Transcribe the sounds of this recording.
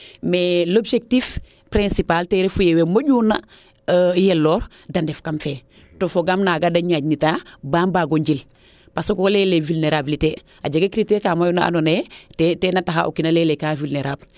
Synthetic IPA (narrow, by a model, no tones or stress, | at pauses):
melobʃek̚tif | pɾẽnsipalteɾefujewemoɟuna | jelːoːɾ | dandefkamfe | tofoɡamnaɡadaɲaːɟnitabaːmbaɡoɲɟil | pasokolelevulneɾabilite | a̰ɟaɡekɾiteɾkamajunaa̰nonetetenataxa̰ʔo̰kinalelekavulneɾʔab